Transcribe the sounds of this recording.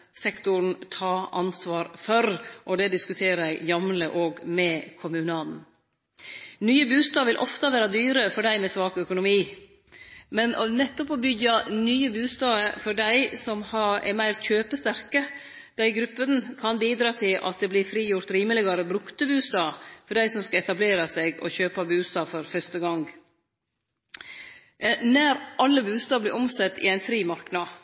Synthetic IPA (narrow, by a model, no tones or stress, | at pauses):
sɛkt̪ʊɾn̩t̪ʰɑːɑnsʋɑːɾfœɾʔɔd̪ɛd̪ɪskʉt̪ʰeːɾəæɪjɑmləʔoːɡmɛkʰʊmʉnɑːln | nyːəbʉːst̪ɑːʋʋɪlʔɔ̰ft̪əʋæːɾɑd̪yːɾəfɔɖæɪmɛsʋɑːkœkʊnʊmiː | mɛnnɛt̪ːɔpɔbʏɡɑnyːəbʉːst̪ɑːəfɔɖæɪsɔmhɑɛ̰ɾmæɪɾçøːpəst̪æɾkə | d̪̥æɪɡɾʉpːənəkʰɑnbiːd̪ɾɑːt̪ʰɪlʔɑ̰t̪̚d̪ɛblɪɾfɾiːjʊɾt̪ɾiːməlɪɡɑɾəbɾʉkt̪əbʉːst̪ɑːfɔɖæɪsɔmskɑɛt̪ɑbleːɾɑsɛɡɔ̰çøːpɑbʉːst̪ɑːfɔɾfœʂt̪əɡɑŋɡ | næɾɑlːəbʉːst̪ɑːblɪʔɔmsɛt̪ːɪ̰æɪnfɾiːmɑɾknɑ